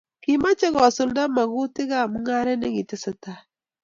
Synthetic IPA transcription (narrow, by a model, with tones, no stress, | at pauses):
ki˨ma˦t͡ʃe˦ɣɔ˨sʊ˦lda˦ma˨ɣʊ˦tɪ˦ɣa˦˨mu˦ŋa˦ɾɛ˦ne˦ŋi˨tɪ˦sɪ˦ta˦